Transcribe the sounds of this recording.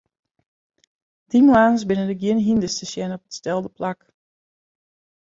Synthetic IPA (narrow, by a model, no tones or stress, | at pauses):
d̥imwaːnsbɪnəndəɡjɪnɦindəstəsjɛnɔp̚ətstɛlˠdəplak